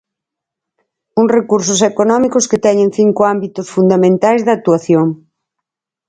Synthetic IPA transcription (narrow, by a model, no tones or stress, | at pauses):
uŋsrekuɾsʊsekonɔmikʊsket̪ɛɲẽŋθiŋkoambit̪osfund̪amẽnt̪ajzðat̪uaθjoŋ